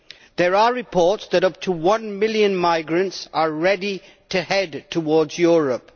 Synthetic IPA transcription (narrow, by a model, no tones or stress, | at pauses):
ðəɹəɹɪpʰɔɹtsðəɾʌp̚tʰuwʌ̃nmɪljə̃nmaɪɡɹə̃ntsəɹɛdi | tʰɨhɛdtʰəwɔːdzjɔɹəp̚